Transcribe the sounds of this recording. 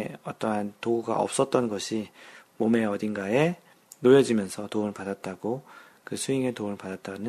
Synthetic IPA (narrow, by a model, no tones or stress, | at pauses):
ʌt͈ʌɦantoɡuɡa̰ʔʌ̰p̚s͈ʌt̚t͈ʌnɡʌɕʰimome̞ʌdinɡae̞ | nojʌd͡ʑimjʌnsʰʌtoɯɭpadat̚t͈aɡo | kɯsʰuiŋe̞toɯɭpadat̚t͈anɯ